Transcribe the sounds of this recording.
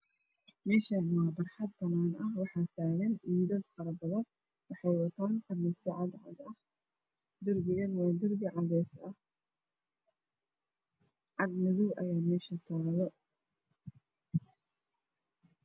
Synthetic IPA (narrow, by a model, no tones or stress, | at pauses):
mɛːʃɐnwɑːbɐrħɑd̪̚bɐnaːnʔɐhwɑħɑːt̪ʰaːɣɐnʔiːðɐd̪fɑɾɐbɐðɐn | wɑħɑjwɐt̪ʰaːnqɐrnɪsɐʕɑd̪ʕɑ̰d̪ɐh | d̪ɪrɡɪɣɐnwɑːd̪ɐrɡɪʕɑðɛːsɐh | ʕɑd̪nɐðuwʔɐjaːmɛːʃɐt̪ʰaːðɔ